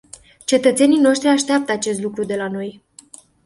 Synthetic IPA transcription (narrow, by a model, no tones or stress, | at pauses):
t͡ʃe̞t̪ət̪se̞nijno̞ʃt̪ɾiaʃt̪ɾeap̚t̪əat͡ʃe̞s̬t̪lukɾud̪e̞lano̞j